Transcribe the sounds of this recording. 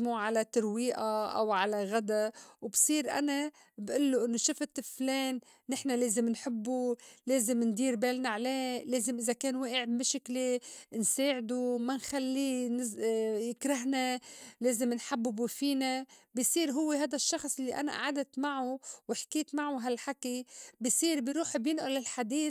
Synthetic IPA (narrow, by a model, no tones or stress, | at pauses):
muʕalat̪aɾwiːʔaʔa̰wʕalaɣad̪awbsˤiːɾʔa̰na | bʔɪlːoʔɪnːoʃɪfɪt̪fleːnː | ɪħnaleːzɪmnħɪbːuleːzɪmnd̪iːɾbeːlnaʕleːleːzɪmʔɪzakeːnweːʔɪʕbmɪʃɪklenseːʕɪd̪umanxalːinɪjɪkɾaɦnaleːzɪmnħabːubufiːnabisˤiːɾɦʊwːeɦaːd̪aʃːɑxsˤʔɪlːiʔa̰na̰ʔa̰ʕad̪at̪maʕuwɪħkiːt̪maʕuɦalħakibisiːɾbiɾuːħbjɪnʔʊlɪlħad̪iː